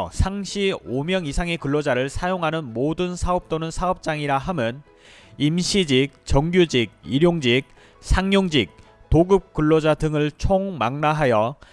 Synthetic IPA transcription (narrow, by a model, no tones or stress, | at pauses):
sʰaŋɕʰiomjʌŋisʰaŋe̞kɯɭːod͡ʑaɾɯɭsʰajoŋɦanɯnmodɯnsʰaʌp̚t͈onɯnsʰaʌp̚t͡ɕ͈aŋiɾaɦamjʌn | imɕʰid͡ʑik̚t͡ɕʌŋɡjud͡ʑik̚iɾjoŋd͡ʑik̚ | sʰaŋɲoŋd͡ʑik̚ | toɡɯp̚k͈ɯɭːod͡ʑadɯŋɯɭt͡ɕʰoŋmaŋnaɦajʌ